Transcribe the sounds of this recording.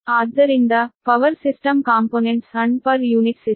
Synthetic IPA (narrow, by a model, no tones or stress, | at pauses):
aːd̪ɐɾind̪apɐʋɐɾsisʈɐmkaːmpoːneɳʈsɐɳɖpɐɾjuːniʈsi